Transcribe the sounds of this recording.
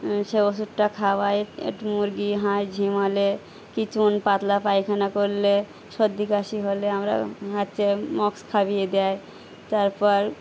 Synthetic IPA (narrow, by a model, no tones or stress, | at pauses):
ʃebosuʈʈakʰabajḛʈmuɾɡiɦãjd͡ʒʱimɔle | kit͡ʃunpat̪lapajkʰanakoɾle | ʃɔd̪ːikaʃiɦoleamɾa̰ɦat̪ːt͡ʃemɔkskʰabied̪aj | t̪aɾpɔɾ